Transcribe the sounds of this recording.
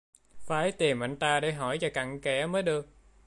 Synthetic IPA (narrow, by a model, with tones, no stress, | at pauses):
faː˨˦jt̪i˨˩mʔa˧jŋ̟t̪aː˧ɗe˧˥˦ɦɔ˧˩jt͡ɕa˨˩ka̰˧˩ŋkɛ˧˩məː˨˦jɗɨ˨˩ək̚